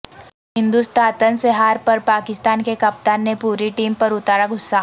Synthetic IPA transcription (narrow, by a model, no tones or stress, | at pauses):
ɦɪ̃nd̪ust̪ʰaːt̪ənseɦaːɾpɐɾpaːkɪst̪aːnkekɐp̚t̪aːnːepuːɾiʈiːmpɐɾʊt̪aːɾaɡʱʊsːa